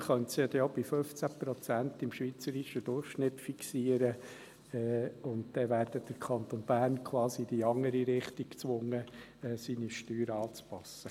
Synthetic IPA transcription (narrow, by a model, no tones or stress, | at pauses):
χœntsɑd̪ɛjob̥ɪføft͡sæpɾɔt͡sænt̪ɪmʃʋiːt͡səɾiʃəd̥̪ʊrχʃnɪtfiksiəɾə | ɛːʊntd̥ɛʋæːɾd̥əd̥əɾkʰɑnt̪onb̥æːrnkʰʋwɑːsid̥iɑŋəɾiɾɪχt̪ikt͡sʋʊŋːə | ɛːsiːniʃtyːɾɑːt͡spɑsə